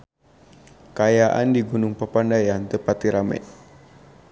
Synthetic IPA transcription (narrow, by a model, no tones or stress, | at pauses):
kajaʔa̰ndiɡunʊŋpəpandajant̪əpat̪iɾamɛ̰ʔ